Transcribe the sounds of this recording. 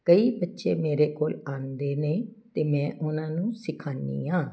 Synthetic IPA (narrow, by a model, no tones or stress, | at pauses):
kəiːbətːʃeːmeːɾeːkoːlaːnd̪eːneːt̪eːmɛ̃ːʔʊnãːnũːsɪkʰãːnd̪ḭːɦãː